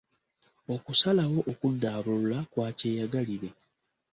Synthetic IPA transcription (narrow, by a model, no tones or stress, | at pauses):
o̞kusalawo̞ʔokudːaːβullakwaːce̞ːjaɡaliɾe̞